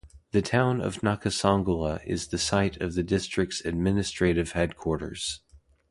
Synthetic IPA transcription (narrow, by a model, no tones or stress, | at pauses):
ðɨtʰãʊ̃nʌ̰vnɑkɨsɑ̃ŋɡl̩ˠəʔɪ̰zðɨsaɪɾʌvðɨdɪstɹ̥ɨk̚tsɨd̚mɪnɨstɹ̥eɪɾɨv̥hɛd̚kʰw̥ɔɹɾə̰˞z̥